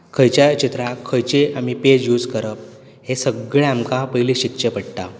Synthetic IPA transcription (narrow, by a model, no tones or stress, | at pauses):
kʰəjt͡ɕjat͡ɕit̪ɾakʰəjt͡ɕiʔamiped͡ʑjud͡zkəɾəp̚ | hesəɡɭeamkapəjliɕikɕepəɽʈ̪a̰